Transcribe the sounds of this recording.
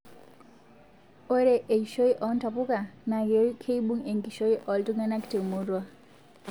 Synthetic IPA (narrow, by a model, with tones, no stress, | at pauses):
o˦ɾe˦ʔe˨iʃo˦jʔɔ˨˦n˦ta˨pu˦ka˨na˨ɡo˦kʰe˦i˦ɓu˦ŋe˨ŋɡi˨ʃo˦i˦ʔɔ˨ltu˦ŋa˦na˦ki̥˨te˨mo˦ɾwa˦